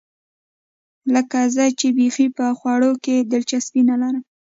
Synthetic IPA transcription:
ləkazət͡ʃebexipəxwɑɽoked̪əlt͡ʃaspinalaɾəm

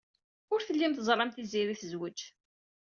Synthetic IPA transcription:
ʊɾθəlːimθəzˤɾˤɑmθiziɾiθəzwəd͡ʒ

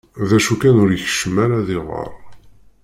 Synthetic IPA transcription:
ðæʃukænʊɾiçə̥ʃəmæɾaðiʁə̰ɾˤ

